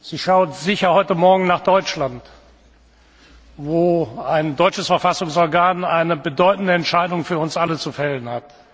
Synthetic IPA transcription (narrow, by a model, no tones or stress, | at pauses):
z̥iːʃaʊtzɪçɐhɔʏtəmɔɐɡŋ̩naːχd̥ɔʏt͡ʃlant | voːaɪndɔʏt͡ʃəsfɛɐfasʊŋsɔɐɡaːnaɪnəbədɔʏtn̩dəɛntʃaɪdʊŋfyːɐʊnsʔalət͡sufɛlənhat